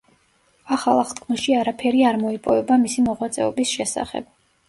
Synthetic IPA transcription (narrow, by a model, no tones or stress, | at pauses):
aχalˠaχt̪kʰmɛʃiaɾapʰɛɾiaɾmɔipʼɔvɛbamisimɔʁwat̪sʼɛɔbisʃɛsa̰χɛ̰b̥